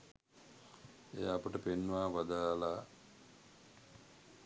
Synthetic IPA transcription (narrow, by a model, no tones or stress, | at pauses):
ḛjapəʈəpenːʋaːʋad̪ala